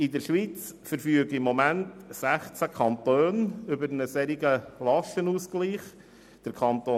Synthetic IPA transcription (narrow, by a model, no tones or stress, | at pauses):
ɪdəɾʃʋit͡sfəɾfyəɡəimːomæntsæχt͡sækʰɑnt̪øːnʏbəɾnəsɛɾiɡəlɑʃtənuːsɡ̥liːχ | d̥əɾkʰɑnt̪oː